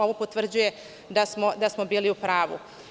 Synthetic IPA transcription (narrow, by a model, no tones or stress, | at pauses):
oʋopot̪ʋr̩d͡ʑuje̞ | d̪asmo̞d̪asmo̞biːliupɾaːʋṵ